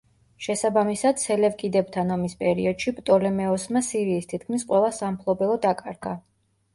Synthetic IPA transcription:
ʃɛsabamisad̪sɛlɛvkʼid̪ɛb̚t̪ʰanɔmispʼɛɾḭɔd̪̥ʃibt̪ʼɔlɛmɛɔsmasiɾiːst̪ʰit̪̚kʰmisqʼwɛlˠasampʰlˠɔbɛlˠɔd̪akʼa̰ɾɡa

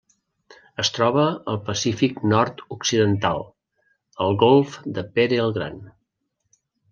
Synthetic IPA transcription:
əst̪ɾɔβəəlˠpəsifiknɔɾt̪uksiðənt̪a̰lˠ | əlˠɣolˠfd̪əpeɾelˠɣɾa̰n

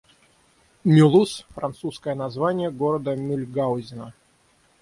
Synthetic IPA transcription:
mʲɪlˠusfɾɐnt̪suskəjənɐzvanʲɪjəɡoɾəd̪əmʲɪlʲɡawzʲɪnə

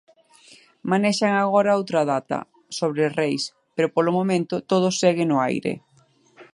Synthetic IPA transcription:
maneʃaŋaɣoɾaowt̪ɾaðat̪ɐ̰ | soβɾerejs | peɾʊpolʊmomẽnt̪ʊt̪oð̞ʊsːeɣɪnʊajɾḛ

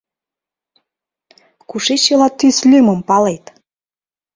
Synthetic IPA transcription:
kuʃet͡ɕjɤlɑt̪ːyslʲymə̆mpɑlet̪

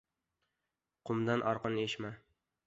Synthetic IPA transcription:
qʰʊmd̪anʔɒɾqɤneʃma

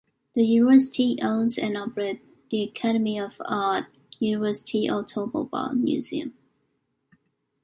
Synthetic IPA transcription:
ðəjunɪvɜsɪ̥tʰiʔõʊ̃nzɨ̰̃nɑpəɹeɪt̪̚ | ðiəkʰæɾəmiʌvɑt̚ | jʉnɪvɜsɪ̥tʰiʔɔtʰomo̰ʊba̰lˠmjʉ̰zḭə̰̃m

